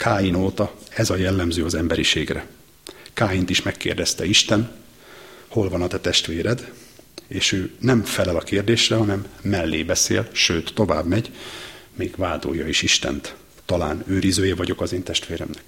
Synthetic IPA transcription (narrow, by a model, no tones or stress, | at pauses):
kʰaːjinoːt̪ɒɛzɒjɛlːɛmzøːɒzɛmbɛɾiʃeːɡrɛ̰ | kaːjint̪iʃmɛkːḛːrd̪ɛst̪ɛiʃt̪ɛn | ho̞lvɒnɒt̪ɛt̪ɛʃt̪ʋeːɾɛd̪ | eːʃøːnɛmfɛlɛlɒkeːrd̪eːʃrɛɦɒnɛmːɛlːeːbɛsḛːlʃøːt̪ːo̞va̰ːbmɛɟmeːɡ̥vaːd̪o̰ːjːɒiʃiʃt̪ɛ̰nt̪ː | ɒla̰ːnøːɾizøːjɛvɒɟo̞kɒzeːnt̪ɛʃt̪ʋeːɾɛ̰mnɛk